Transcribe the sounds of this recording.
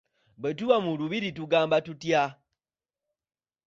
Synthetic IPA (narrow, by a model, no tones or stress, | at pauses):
βet̬uwamuluβiɾituɡaːmbatutja